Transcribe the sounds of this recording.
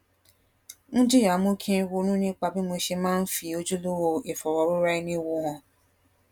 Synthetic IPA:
ñ̩˦d͡ʒi˦ja˨˦mũ˦kʰĩ˦˧wo˧˦ñũ˦nĩ˦k͡pa˧bi˦mo˧ʃe˧mãː˦n̩˦fi˧o˦d͡ʒu˦lo˦wo˧e˨fɔ˨ɾɔ˨˦ɾu˦ɾa˦i˦nĩ˦wõ˧ɔ̃˧

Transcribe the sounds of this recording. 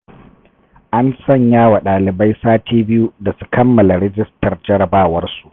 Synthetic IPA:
ʔa˦nsɐ˦˨ɲjaː˦wa˨ɗaː˨lɪ˨ba˦jsaː˦tʰeː˦bɪ˦ju˦da˨su̥˦kɐ˦mːɐ˨la˨ɾɛ˦d͡ʒɪ˦stɐ˨rd͡ʒɐ˦ɾɐ˨baː˦˨wɐ˦rsu̥˨ʔ

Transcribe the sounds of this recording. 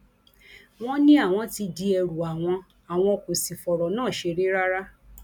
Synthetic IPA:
w̃ɔ̃˦nĩ˦a˦˨w̃ɔ̃˧ti˧di˧ɛ˧ɾu˨a˨w̃ɔ̃˧ | a˨w̃ɔ̃˧ɔ˧ko˨si˨fɔ˨ɾɔ˨nãː˦˨ʃe˧ɾe˦ɾa˦ɾa˦

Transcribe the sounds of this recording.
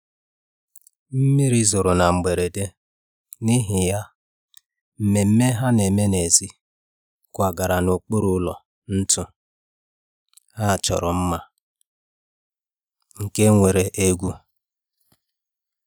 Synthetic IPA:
m̩˦mi˦ɾi˦zʊ˨ɾʊ˨na˨ŋ͡m̩˨ɡ͡be˨ɾe˨de˦ | ni˦ɦɪ˨ja˦ | m̩˨me˨m̩˦me˦ɦa˦ne˨me˦ne˨zi˦ | kʷa˨ɡa˨ɾa˨no˨k͡po˦ɾʊ˦lɔ̰˨ | n̩˦tʊ˦ | ha˦˨t͡ʃɔ̰˨ɾɔ˨m̩˦ma˦ | ŋ̩˨ke˦ŋʷe˨ɾe˨ʔe˦ɡʷu˦

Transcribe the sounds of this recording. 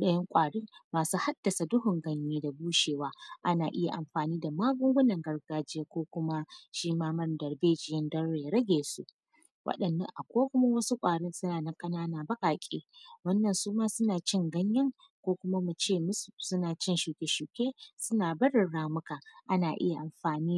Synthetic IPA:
ɗɐ˦jɪ˦ŋkʷʼaː˨ɽiː˦maː˨suː˦ha˦d̥ːɐ˨sa˨dʊ˦hʊ˨ŋɡɐ˦ɲjeː˦da˨buː˦ʃeː˨waː˦ʔa˦naː˨ʔɪ˦ja̰˨ʔa˨mɸaː˨niː˦da˨maː˦ɡʊ˦ŋɡʷʊ˦nɐ˨ŋɡɐ˦rɡaː˦d͡ʒɪ˦jaː˦kʷoː˦kʷʊ˦ma˦ʃiː˦maː˦mɐ˦ndɐ˨rbeː˦d͡ʒɪ˦jɪ˦ndɐ˦rɽeː˨ɾɐ˦ɡʲeː˨sṵ˦ʔ | wʔɐ̰˦ɗɐ˨nːɐ̰˨ŋʔa˨kʷoː˦kʷʊ˦ma˦wɐ˦su˦kʷʼaː˨ɽɪ˦nsʊ˦naː˨nɐ˦ŋkʼɐ˦naː˦naː˨bɐ˦kʼaː˨kʲʼḛː˦wɐ˦nːɐ˨nsuː˦maː˦sʊ˦naː˨t͡ʃɪ˦˨ŋɡɐ˦ɲjɐ˦ŋ | kʷoː˦kʷʊ˦ma˦mu˨t͡ʃeː˦m˦ssʊ˦naː˨t͡ʃɪ˦nʃuː˨kʲe˨ʃuː˨kʲeː˦sʊ˦naː˨bɐ˦ɽɪ˨ɽaː˦mʊ˦ka˨ʔa˦naː˨ʔɪ̰˦ja˨ʔa˨mɸaː˨niː˦˨

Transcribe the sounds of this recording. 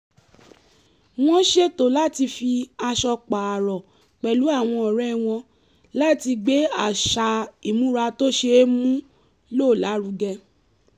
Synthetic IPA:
w̃ɔ̃˦ʃe˦to˨la˦ti˧fi˧a˧ʃɔ˧k͡pa˨a˨ɾɔ˨ | k͡pɛ˨lu˨˦a˦˨w̃ɔ̃˧ɔ˨ɾɛ˦˨w̃ɔ̃˧ | la˦ti˧ɡ͡be˨˦a˦˨ʃa˨i˨mũ˨˦ɾa˧to˦ʃe˧˦mũ˦ | lo˦˨la˨˦ɾu˧ɡɛ˧

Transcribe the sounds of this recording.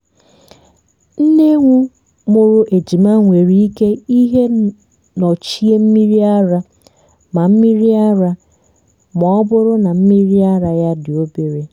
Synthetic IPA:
n̩˦ne˦ŋʷu˦ | mo˨ɾo˨ʔe˨d͡ʒi˨ma˦ŋʷe˨ɾi˦i˦ke˦i˦ɦe˦ | nɔ˨t͡ʃi˦e˦m̩˦mi˦ɾi˦a˦ɾa˨ | ma˨m̩˦mi˦ɾi˦a˦ɾa˦ | mɔ˨ɔ˦bʊ˦ɾʊ˦na˨m̩˦mi˦ɾi˦a˦ɾa˨ja˦dɪ˨o˦be˨ɾe˦

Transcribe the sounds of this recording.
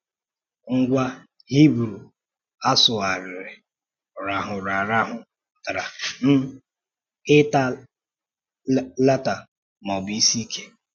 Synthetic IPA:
ŋ̩˦ɡʷa˦ | hi˦bɾu˨ | a˦sʊ˨a˨ɾɪ˨ɾɪ˨ | ɔ˨ɾa˨ɦʊ˨ɾa˨ɾa˦ɦʊ˨ | ta˨ɾa˨n̩˦ | ɪ˦ta˦ | la˦ta˨ | mɔ˨bi˦si˦kʰe̥˦

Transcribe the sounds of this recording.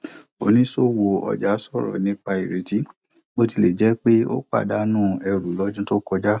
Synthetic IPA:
o˧nĩ˦so˦wo˧ɔ̰˧d͡ʒa˨˦sɔ˦˨ɾɔ̰˨nĩ˨˦k͡pa˧i˨ɾe˨ti˦ | bo˦ti˧˨le˨d͡ʒɛ˨˦k͡pe˦o̰˦k͡pa̰˦˨da˨˦nũː˦˨ɛ˧ɾu˨lɔ˨˦d͡ʒũ˦to˦kɔ˧d͡ʒa˦

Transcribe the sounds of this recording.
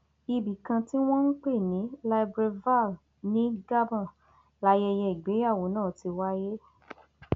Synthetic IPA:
i˧bi˨kã˧ti˦w̃ɔ̃˦n̩˦k͡pe˦˨nĩ˨˦la˧jbɾe˧va˦˨l | nĩ˨˦ɡa˦bɔ̃˦˨ | la˨˦jɛ˧jɛ˧i˨ɡ͡be˨˦a˦˨wo˨˦nãː˦˨ti˧wa˦je˦

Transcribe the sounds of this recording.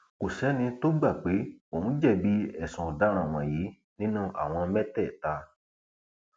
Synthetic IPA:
ko˨sɛ˨˦nĩ˧to˦ɡ͡ba˦˨k͡pe˨˦o˨ũ˦d͡ʒɛ˦˨bi˨˦ɛ˨sũ˨da˨˦ɾ̃ã˨w̃ã˨ji˨˦ | nĩ˦nũ˦ʔa̰˨w̃ɔ̃˧mɛ˦tɛ˦˨ta˧˦

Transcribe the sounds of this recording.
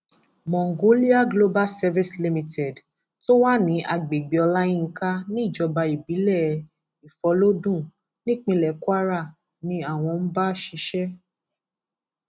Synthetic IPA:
mɔ̃˨ŋ˨ɡo˨˦li˦a˦ɡlo˦ba˦lsɛ˧vi˦sli˧mĩ˧tʰɛ˨d | to˦wa˦nĩ˨˦ʔa˧ɡ͡be˨ɡ͡bi˨ɔ˧la˦jĩ˦ŋ̩˦ka˦nĩ˦i˦˨d͡ʒɔ˧ba˧i˨bi˨˦lɛ˦˨˧ | i˨fɔ˨˦lo˦dũ˦˨ | nĩ˦˨k͡pĩ˧lɛ˨kwa˦ɾa˦˨ | nĩ˨˦a˦˨w̃ɔ̃˧n̩˦ba˦ʃi˧˦ʃɛ˦

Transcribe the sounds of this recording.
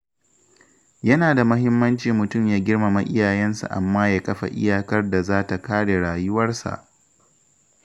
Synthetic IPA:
jɐ˦naː˨da˨mɐ˦ɦɪ˦mːɐ˦nt͡ʃiː˨mʊ˨tʊ˦˨mjaː˦ɡʲɪ˦rma˨ma˨ʔɪ˦jaː˨jɛ˦nsṵ˨ʔa̰˨mːaː˦ja˦kɐ˦ɸa̰˨ʔɪ̰˦jaː˨kɐ˦rda˨zaː˦ta˨kaː˦ɽe˨ɽaː˨jʊ˦wɐ˦rsa̰˨ʔ

